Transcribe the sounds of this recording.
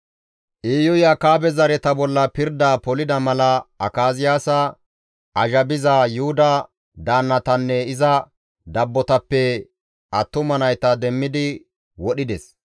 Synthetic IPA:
ʔiːjʊjaːkaːbɛzɐɾɛt̪ɐbɔlːɐpɪɾd̪aːpɔlɪd̪ɐmɐlɐɐkaːzɪjaːsɐ | ʔɐʒɐbɪzajʊhʊd̪ɐ | d̪aːnːɐt̪ɐnːɛɪzɐ | d̪ɐbːɔt̪ɐpːɛ | ɐt̪ːʊmɐnɐjt̪ɐd̪ɛmːɪd̪ɪ | wɔɗɪd̪ɛs

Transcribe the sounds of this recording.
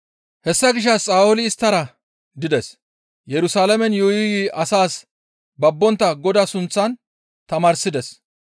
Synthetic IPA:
hɛsːɐɡɪʃ̬ːɐt͡sʼaːʊlɪːst̪ːɐɾɐ | d̪ɪd̪ɛs | jɛɾʊsaːlɐmɛnjɔjɪjiʔɐsaːs | bɐbːɔnt̪ːɐɡɔd̪ɐsʊnt͡sːɐn | t̪ɐmaːɾsɪd̪ɛs

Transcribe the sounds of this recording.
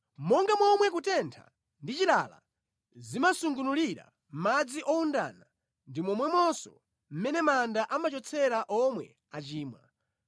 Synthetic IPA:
mɔŋɡamwɔmwɛk̬utɛntʰa̰ | ndit͡ʃilala̰ | zimasuŋɡunuliɾa̰ | m̩mad͡ziʔɔunda̰na | ndimɔmwɛmɔsɔ̰ | m̩mɛnɛmandaʔamat͡ʃɔt͡sʰɛɾaʔɔmwɛ̰ | at͡ʃiːmwa̰

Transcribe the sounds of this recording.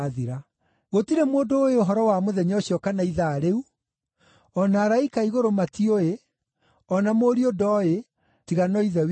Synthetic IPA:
ðiɾa | ɣotiɾemoːndoːeoɦɔɾɔwamoðɛɲɔɕjɔkanaiðaːɾeu | ɔnaːɾaikaiɣoɾomatioe | ɔnamoːɾiodɔe | tiɣanɔiðɛw

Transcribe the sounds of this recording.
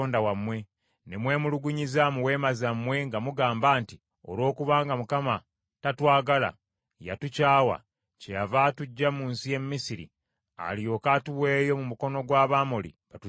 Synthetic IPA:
oːndawamːwe̞ | nemwe̞ːmuluɡuɲizamuwe̞ːmazamːwe̞ŋɡamuɡaːmbaːnti | o̞̰lwo̞ːkuβaːŋɡamukama | tatwaːɡala̰ | ja̰tucaːwa̰ | cejavaːtuɟːamuːnsije̞mːisiɾḭ | a̰lijo̞katuwe̞ːjo̞mumuko̞no̞ɡwaːβaːmolḭbatu

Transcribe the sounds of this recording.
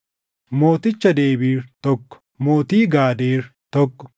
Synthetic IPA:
moːt̪ɪt͡ʃːɐd̪eːbiːɾt̪ɔkːɔ̥ | moːt̪iːɡaːd̪eːɾt̪ɔkːɔ̥

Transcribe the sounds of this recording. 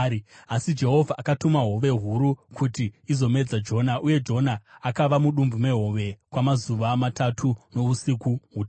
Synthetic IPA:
asid͡ʒe̞ɦo̞vʱaʔːkatumaɦo̞ʋe̞ɦuɾukutiizo̞me̞d͡zad͡ʒo̞naʔuje̞d͡ʒo̞naːkaʋamuɗumbume̞ɦo̞ʋe̞kwamazuʋamatatʰuno̞usikuɦut

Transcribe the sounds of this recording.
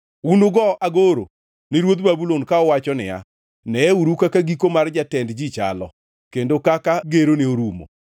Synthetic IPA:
undʊɡɔʔaɡoɾo̰ | nɪɾwot̪babulonkaɔwat͡ʃɔnɪ̰a̰ | nɛɛuɾukakaɡikomard͡ʒatɛndd͡ʒit͡ʃa̰lɔ̰ | kendokakaɡeɾoneoɾumo̰

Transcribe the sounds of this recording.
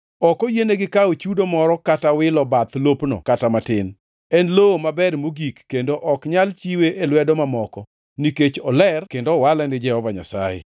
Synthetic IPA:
ɔkɔjeneɡɪkaot͡ʃudomɔɾɔkatawɪlɔbat̪lopnɔ̰katamatɪn | ɛnlomabɛrmoɡikːendoʔɔkɲalt͡ʃiweʔelwɛdɔmamɔkɔ | niket͡ʃɔlɛrkendowalanɪd͡ʒɛhɔvaɲa̰sa̰jḛ

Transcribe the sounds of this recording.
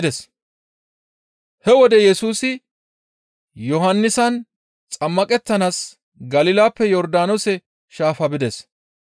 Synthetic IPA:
d̪ɛs | hɛwɔd̪ɛjɛsuːsɪ | jɔɦɐnːɪsɐn | t͡sʼɐmːɐkʼɛt̪ːɐnaːs | ɡɐlɪlaːpːɛjɔɾd̪aːnɔsɛ | ʃaːfɐbɪd̪ɛs

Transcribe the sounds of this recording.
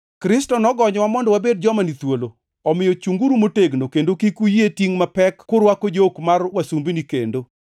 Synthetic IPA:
kɾɪstɔnɔɡɔɲɔwamɔndɔwabed̚d͡ʒɔmanit̪wolo | ɔmɪjɔt͡ʃuŋɡuɾumoteɡnokendokikujetiŋmapɛkːʊɾwakod͡ʒokmarwasumbinikḛndo

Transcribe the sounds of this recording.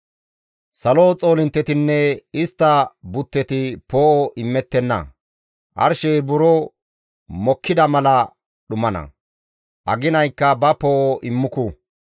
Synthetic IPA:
sɐloːt͡sʼo̞ːlɪnt̪ːɛt̪ɪnːɛɪst̪ːɐbʊt̪ːɛt̪ɪpoːʔɔʔɪmːɛt̪ːɛnːɐ̰ | ʔɐ̰ɾʃɛjbʊɾo | mɔkʰːɪd̪ɐmɐlɐ | ɗʊmɐnɐ̰ | ʔɐ̰ɡɪnɐjkːɐbɐpoːʔoʔɪmːʊkʊ

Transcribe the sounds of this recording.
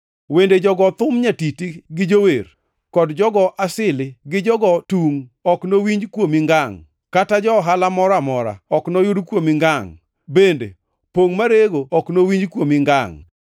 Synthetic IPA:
wended͡ʒɔɡɔt̪ʊmɲatitiɡɪd͡ʒower | kɔdd͡ʒɔɡɔʔasɪlɪɡɪd͡ʒɔɡɔtuŋɔknowiɲd͡ʒkwomɪŋɡaŋ | katad͡ʒɔɦalamɔɾamɔɾa̰ɔknojudkwomɪŋɡaŋ | bendḛ | poŋmaɾeɡoɔknowiɲd͡ʒkwomɪŋɡaŋ

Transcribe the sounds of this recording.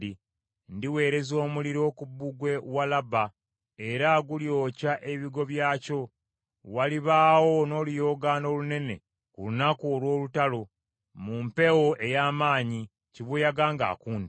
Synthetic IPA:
i | ndiwe̞ːɾe̞zo̞ːmuliɾo̞ːkubːuɡwe̞walaba | e̞ɾaɡuljo̞ːcaʔe̞βiɡo̞βjaːco̞ | waliβaːwo̞no̞ːlujo̞ːɡaːno̞ːlune̞ne̞̰ | kulunakuːlwo̞ːlutalo̞ | mumpe̞woʔe̞jaːmaːɲi | ciβujaɡaːŋɡa̰ːkuːnd

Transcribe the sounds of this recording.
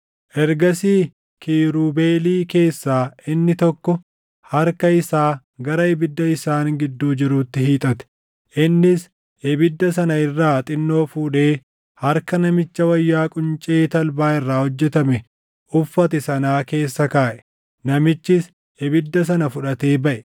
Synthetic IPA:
ʔɛɾɡɐsiː | kʰiːɾuːbe̞ːliːke̞ːsːaːʔɪnːɪt̪ɔkːɔ | hɐɾkɐɪsaː | ɡɐɾɐɛbɪd̪ːɐɪsaːnɡɪd̪ːuːd͡ʒɪɾuːt̪ːɪhiːt̪ʼɐt̪ɛ̥ | ʔɪnːɪs | ʔɛbɪd̪ːɐsɐnɐɪrːaːt̪ʼɪnːo̞ːfuːᶑe̞ː | hɐɾkɐnɐmɪt͡ʃːɐwɐjːaːkʼʊnt͡ʃʼe̞ːt̪ɐlbaːɪrːaːhɔd͡ʒːɛt̪ɐmɛ | ʔʊfːɐt̪ɛsɐnaːke̞ːsːɐkaːʔɛ̥ | nɐmɪt͡ʃːɪs | ɛbɪd̪ːɐs̬ɐnɐfʊᶑɐt̪e̞ːbɐʔɛ̥

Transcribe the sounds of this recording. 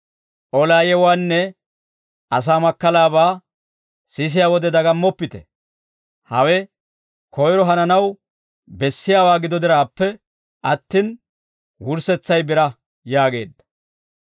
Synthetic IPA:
ʔɔlaːjɛwaːnːɛ | ʔɐs̬aːmɐkːɐlaːbaː | sɪs̬ɪjaːwɔd̪ɛd̪ɐɡɐmːɔpːɪt̪ɛ | hɐwɛ | kʰɔjɾɔɦɐnɐnɐw | bɛsːɪjaːwaːɡɪd̪ɔd̪ɪɾaːpːɛ | ʔɐt̪ːin | wʊɾsɛt͡sːɐjbɪɾɐ | jaːɡe̞̰ːd̪ːɐ̥

